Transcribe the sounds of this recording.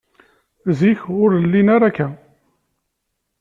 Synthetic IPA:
ziçʁʊɾlːinaɾakːæ

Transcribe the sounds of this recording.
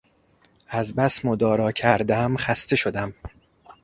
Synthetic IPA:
æzbæsmod̪ɒːɾɒːcʰæɾd̪æmxæst̪ʰe̞ʃo̞d̪æm

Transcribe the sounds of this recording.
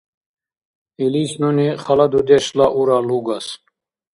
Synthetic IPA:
ilisnuniχɐlɐd̪ud̪eʃlaʔuɾaluɡas

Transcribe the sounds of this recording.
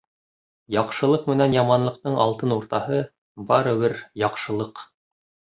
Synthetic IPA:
jɑqʃɤ̆lˠɤqmɘ̆nænjɑmɑnlˠɤ̆q̚t̪ɤɴɑlˠt̪ɤnuɾt̪ɑhɤ | bɑɾɤ̆βɘɾjɑqʃɤ̆lˠɤq

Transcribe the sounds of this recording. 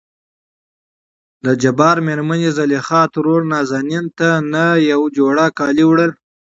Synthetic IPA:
d̪əd͡ʒabɑɾmeɾmanizalixɑt̪ɾoɾnɑzɑnint̪anajawd͡ʒoɽakɑliwɽəl

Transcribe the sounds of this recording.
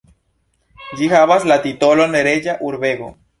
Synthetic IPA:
d͡ʒixaβaslat̪it̪oloneɾeʝaʔuɾβeɣo̰

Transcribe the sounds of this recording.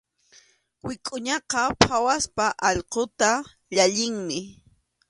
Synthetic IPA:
wɪkʼʊɲɑqɑpʰawaspaʔɑʎqot̪a | ʎaʎɪŋmɪ

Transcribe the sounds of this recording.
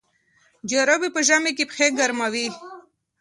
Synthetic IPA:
d͡ʒaɾobipəʒamekepxeɡaɾmawi

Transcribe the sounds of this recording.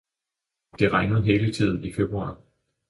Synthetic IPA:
d̥e̝ʁaŋəð̞̩ˠɦe̝ːlət͡sʰið̞̰ˠn̩ife̝b̥ʁuɑ̰̈ː

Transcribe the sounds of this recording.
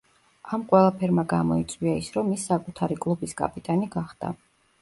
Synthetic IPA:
amqʼwɛlˠapʰɛɾmaɡamɔit̪sʼwiaisɾɔmisːakʼut̪ʰaɾikʼlˠubiskʼa̰pʼit̪ʼaniɡaχd̪̥a̰

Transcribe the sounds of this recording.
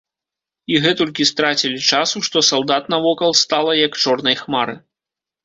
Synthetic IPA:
iɣɛt̪ɔlʲk̬ʲist̪ɾat͡sʲilʲit͡ʂasuʂt̪ɔsalˠd̪at̪nɐvɔkɐlˠst̪alˠɐjɐkt͡ʂɔrnɐjxmaɾɨ

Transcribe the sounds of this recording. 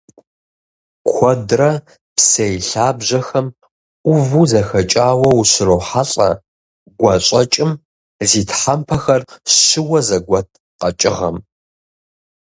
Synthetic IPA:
kʷʰɔdrɐ | psɐjɬaːbʒɐxɐmʷ | ʊvuzɐxɐt͡ʃʼaːwɐwɕɪrowħaɬʼɐ̰ | ɡʷɐɕʼɐt͡ʃʼɪm | ziːtħampʰɐxɐrɕɪwɐzɐɡʷɐtʰ | qɐt͡ʃʼɪ̰ʁɐ̰m

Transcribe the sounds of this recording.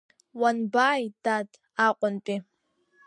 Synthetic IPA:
wanbaːjd̥ad | aqʷʼʊnpʼi

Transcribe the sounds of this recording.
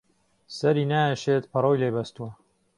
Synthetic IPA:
sɐɾiːnaːjɛʃeːt̪pʰɐroːjleːbɐst̪uwɐ

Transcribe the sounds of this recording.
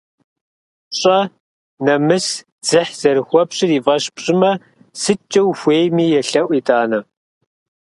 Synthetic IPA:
ɕʼɐ | nɐmɨs | d͡z̥ɨħz̥ɐɾɨxʷɔpɕʼɪriːvɐɕpɕʼɪmɐ | sɨt͡ʃʼːɐwxʷeːjmiːjɛɬɐʔʷitʰʼaːnɐ

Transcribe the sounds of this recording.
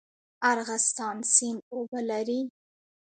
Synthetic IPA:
aɾɣast̪ɑnsimobalaɾi

